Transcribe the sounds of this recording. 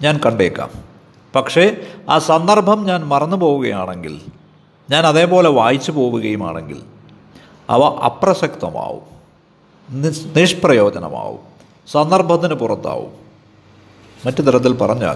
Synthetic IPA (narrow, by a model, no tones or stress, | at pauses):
ɲaːnkɐɳɖeːkːa̰ːm | pɐkʂe̞aːsɐnd̪ɐrbʱɐmɲaːnmɐrɐnːupo̞ːʋuɣɐjaːɳe̞ŋɡḭl | ɲaːnɐðe̞ːpo̞ːle̞ʋaːjit͡ɕːɨpo̞ːʋuɣɐjuma̰ːɳe̞̰ŋɡḭl | ɐ̰ʋɐʔɐ̰prɐsɐkt̪ɐma̰ːʋṵm | niʂprɐjo̞ːdɐnɐ̰ma̰ːʋṵm | sɐnd̪ɐrbʱɐt̪̬ːinɨpurɐt̪ːa̰ːʋṵm | ɐtːut̪ɐɾɐt̪̬ːilpɐrɐɲːua̰ː